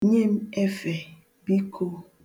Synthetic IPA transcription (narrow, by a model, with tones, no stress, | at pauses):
ɲe˦m˦e˦fe˨ | bi˦kʰo˦